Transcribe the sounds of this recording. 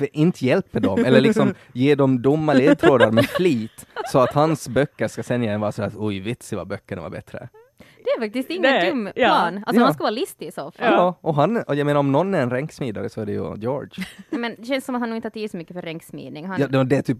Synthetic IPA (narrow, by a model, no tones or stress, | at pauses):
ʔɪnt̪ʰəjɛlpəd̪ɔmɛlːəɭɪksɔm | jeːd̪ɔmd̪ʊmːaleːd̪t̪ʰɾoːd̪aɾmɛfliːt̪sɔat̪hansbœkːəɾʂkasɛnːjaɛnvɑːɾasɔhæːɾat̪ɔjvɪt̪sɪva̰bœkːəɳɛva̰bɛ̰t̪ɾə̰ | d̪ɛæɾfak̚t̪ɪst̪ɪŋːənd̪ʊmːlɑːnʔalsɔhanskavɑːɾalɪst̪ɪsɔfjɑːʔɔɦanɔjɛjmeːnaɾɔmnɔnːæɾɛnɾɛŋksmiːd̪aɾəsɔæɖɛjʉ̰d̪jo̰ːɾdmɛnd̪ɛɕɛnssɔmat̪hanːɪnt̪əhɑt̪ʰiːlsɔmʏkːəfœɾɛŋksmḭːd̪nɪŋhaɑd̪d̪ɛt̪ʰyːp